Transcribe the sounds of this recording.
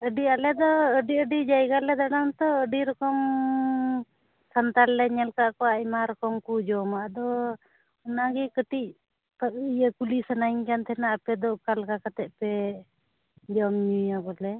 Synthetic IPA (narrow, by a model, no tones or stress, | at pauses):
əɖialɛd̪ɔəɖiəɖid͡ʒajɡalɛd̪aɽaŋt̪ɔəɖiɾɔkɔm | sant̪alːɛɲɛlkaʔkɔwaʔimaɾɔkɔmkud͡ʒɔmaʔd̪ɔ | ɔnaɡɛkəʈiʔ̚ | paʔijəkulisanajɲkant̪ʰɛnaʔapɛd̪ɔʔkalkakat̪ɛʔpɛ | d͡ʒɔmɲujaɡɔlɛ